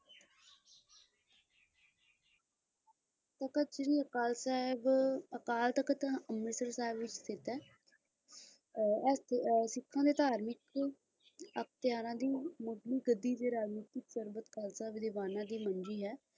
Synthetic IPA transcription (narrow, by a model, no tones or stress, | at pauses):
t̪əkət͡ʃɾiːəkaːlsaːɪbəkaːlt̪əkt̪əmɪsəɾsaːɦɪbʋɪt͡ʃsɪt̪ɛː | ssɪkʰːãːd̪eːt̪aːɾmɪk | ək̚t̪ɪjaːɾãːd̪iːmʊdliːɡəd̪ːiːd̪eːɾaːɾmiːt̪ɪksəɾbət̪kaːlsaːɪbd̪ɪʋaːnãːd̪iːmənd͡ʒiːɦɛː